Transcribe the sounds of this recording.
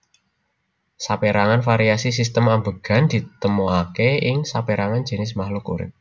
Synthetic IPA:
sapeɾaŋanfaɾiasis̬ist̪əmambə̤ɡ̥a̤nd̪̥i̤t̪əmoakeɪŋsapeɾaŋan̥d͡ʒ̥ə̤nɪs̬mahlokṵɾɪ̰t̪̚

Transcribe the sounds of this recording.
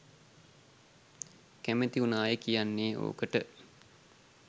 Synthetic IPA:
kæmet̪iunaːjekijanːeːo̰ːkəʈə

